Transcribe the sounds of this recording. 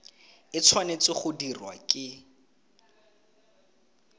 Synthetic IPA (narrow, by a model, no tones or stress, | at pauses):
ɪt͡sʰwanet͡sɪχʊdirwa̰kʼɪ